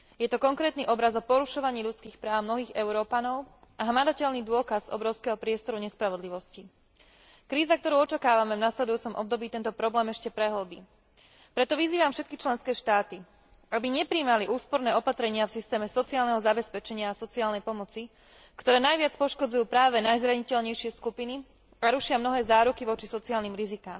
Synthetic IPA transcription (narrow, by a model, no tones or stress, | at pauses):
jɛt̪ɔkɔŋkɾɛːt̪niʔɔbɾazɔpɔɾuʃɔʋaɲiːʎut͡skiːxpɾaːʊmnɔɦiːɣɛʊɾɔːpanɔʊ | aɦmad̪acɛlnid̪ʊɔkazɔ̰bɾɔʊskɛːɦɔpɾɪɛst̪ɔɾuɲɛspɾaʋɔd̪liʋɔsci | kɾiːzak̚t̪ɔɾuʊɔt͡ʃakaːʋamɛvnaslɛd̪ujuːt͡sɔmʔɔ̰b̚d̪ɔbiːt̪ɛnt̪ɔpɾɔblɛːmɛʃcɛpɾɛɦɔlbḭː | pɾɛt̪ɔʋiziːʋamfʃɛt̪kit͡ʃlɛnskɛːʃt̪aːt̪i | abiɲɛpɾiːmaliʔuːspɔɾnɛːɔpat̪ɾɛɲɪafsist̪ɛːmɛsɔt͡siaːlnɛɦɔzabɛspɛt͡ʃɛɲɪaːsɔt͡siaːlnɛjpɔmɔt͡si | kt̪ɔɾɛːnajʋɪat͡spɔʃkɔd͡zujuːpɾaːʋɛnajzɾaɲicɛʎɲɛjʃɪɛskupini | aɾuʃɪamnɔɦɛːzaːɾukiʋɔt͡ʃisɔt͡siaːlniːmɾizikaːm